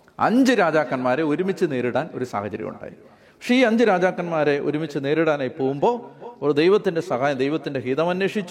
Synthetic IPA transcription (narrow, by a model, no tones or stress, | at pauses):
ɐ̰ɲd͡ʑɨɾaːd͡ʑaːkːɐnmaːɾe̞oɾumit͡ɕːɨne̞ːɾiɽaːno̞̰ɾusa̰ːhɐt͡ɕɐɾḭjṵɳɖa̰ːjḭ | pɐkʂe̞iːɐɲd͡ʑɨɾaːd͡ʑaːkːɐnmaːɾe̞ʔo̰ɾumit͡ɕːɨne̞ːɾiɽaːnaːjpːo̞ːɣumbo̞ːord̪ejʋɐt̪ːinde̞sɐɦaːjɐd̪ejʋɐt̪ːinde̞ɦiːðɐmɐnːeːʂit͡ɕːu̥